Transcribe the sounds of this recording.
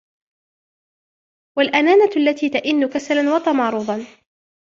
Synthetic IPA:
walʔanaːnaalːat̪iːt̪aʔɪnːʊkasalanwɑt̪ˤɑmɑːɾˤuːðˤɑn

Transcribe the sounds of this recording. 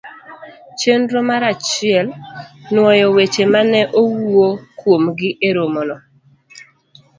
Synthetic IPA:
t͡ʃendɾomaɾat͡ʃɪɛlnwɔjɔwet͡ʃemanɛʔowuokwomɡɪʔeɾomonɔ

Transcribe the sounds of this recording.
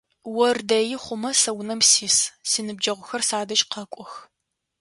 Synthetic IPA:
wɔrdɐjɪχʷʊmɐsɐwnɐmsiːssinɨb̚d͡ʒɐʁʷʊxɐrsaːdɐʃʼqɐkʷʼɔx

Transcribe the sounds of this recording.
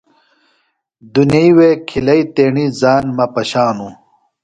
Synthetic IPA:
d̪unɐiweːkʰilɐit̪eːɳizaːnmɐpɐɕaːnu

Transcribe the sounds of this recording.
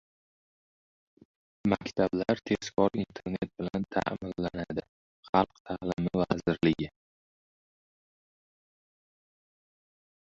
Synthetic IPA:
makʲt̪ʰablaɾt̪ʰe̞skɒɾint̪ʰe̞ɾne̞t̪̚bɪlant̪ʰa̰mɪlːanad̪ɪ | χɑlˠqt̪ʰalɪmɪvazɪɾlɪɡʲɪ

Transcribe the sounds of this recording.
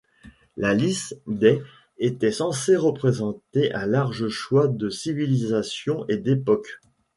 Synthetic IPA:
lalisd̪ɛ | et̪ɛsɑ̃seʁəpχezɑ̃t̪eʔalaʁʒəʃwad̪əsivilizasjɔ̃ʔed̪epɔk

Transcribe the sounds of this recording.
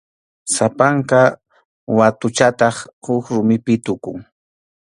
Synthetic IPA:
sapaɴqɑ | wat̪ʊt͡ʃat̪ɑχhʊkɾʊmɪpɪt̪ʊkʊŋ

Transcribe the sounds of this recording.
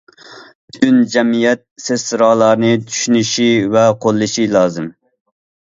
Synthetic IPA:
byynd͡ʒɛmijɛt̪̚sezːɨɾɑːlˠɑɾnɨt̪ʰy̥ʃynyʃivɛqʰolˠːɨʃilˠɑːzɨm

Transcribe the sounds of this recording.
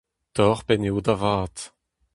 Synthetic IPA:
t̪ɔʁpɛnewdavaːt̪

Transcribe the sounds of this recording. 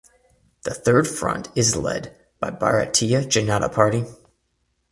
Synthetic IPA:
ðɨθɜ˞d̥fɹʌ̰̃ntʰɪzlɛ̰d̚ | b̥aɪbɑ̰ɹɨ̰tʰiɨd͡ʒɨnɑɾə̰pʰɑɹɾi

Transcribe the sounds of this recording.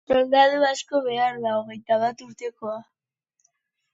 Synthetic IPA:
old̪aðuasko̞βe̞aɾðaoɣe̞jt̪aβat̪uɾt̪e̞ko̞a

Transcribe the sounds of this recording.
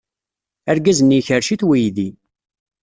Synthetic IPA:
æɾɡæzəniçəɾʃiθwijði

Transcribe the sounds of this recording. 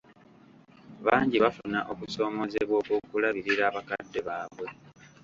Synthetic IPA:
βaːɲɟiβafunaʔo̞kuso̞ːmo̞zeβwo̞ːkokulaβiɾiɾaːβakadːe̞βaːβwe̞

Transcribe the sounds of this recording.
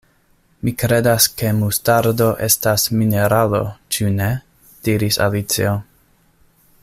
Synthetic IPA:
mikɾe̞daske̞mustaɾdo̞ʔe̞stasmineɾalo̞̰t͡ʃune | d̥iɾisa̰lit͡sḭo

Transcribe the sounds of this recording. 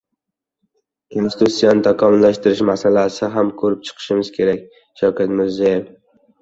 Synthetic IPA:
kʰonsɪ̥t̪ʰusːijont̪ʰakʰɒmʊlːaʃt̪ɪɾɪʃmasalasɪɦamkʰɵɾɪp̚t͡ʃʰɨ̥qʰɨ̥ʃɪmɪz̥kʲʰe̞ɾakʲ | ʃawkʰʲat̪mɪɾzajef

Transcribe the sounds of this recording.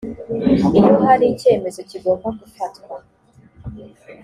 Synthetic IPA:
iɾoɦaɾice̞ːme̞zo̞ciɡombaɡufatkwa

